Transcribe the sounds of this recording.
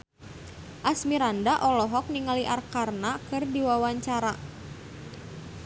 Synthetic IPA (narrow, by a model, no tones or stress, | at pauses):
ʔasmiɾandaʔɔlɔɦɔk̚niŋaliʔarkarnakɨrdiwawaɲt͡ʃaɾa